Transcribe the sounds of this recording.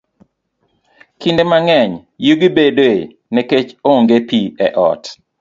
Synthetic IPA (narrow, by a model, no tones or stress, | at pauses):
kindemaŋɛɲjuɡibedoe | nɛket͡ʃoŋɡepiɛʔɔ̰t